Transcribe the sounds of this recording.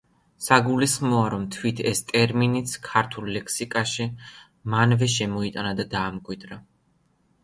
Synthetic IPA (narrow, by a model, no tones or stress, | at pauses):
saɡulisχmɔaɾɔmt̪ʰwit̪ʰɛst̪ʼɛɾminit̪sʰkʰaɾt̪ʰulːɛkʰsikʼaʃi | manvɛʃɛmɔit̪ʼanad̪ad̪aːmkʼwid̪ɾa